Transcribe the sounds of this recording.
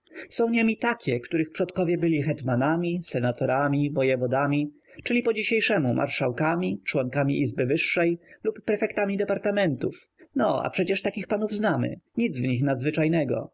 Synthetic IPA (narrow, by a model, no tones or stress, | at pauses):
sɔ̃w̃ɲemʲit̪akʲɛkt̪uɾɘxpʂɔt̪kɔvʲjɛbɘlʲixɛt̪manamʲisɛnat̪ɔɾamʲibɔjɛvɔd̪amʲi | t͡ʂɘlʲipɔd͡ʑiɕejʂɛmumʔa̰ɾʂawkamʲit͡ʂwɔŋkamʲḭʔizbɘvɘʂːɛjlupːɾɛfɛkt̪amʲid̪ɛpaɾt̪amɛnt̪ufnɔa̰pʂɛt͡ɕɛʂt̪akʲixpanuvznamɘ̰ɲid̪zvɲixnad̪zvɘt͡ʂajnɛɡɔ̰